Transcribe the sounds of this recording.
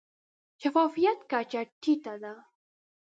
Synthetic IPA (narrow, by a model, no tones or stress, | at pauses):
ʃafɑfijat̪kat͡ʃaʈːit̪ad̪a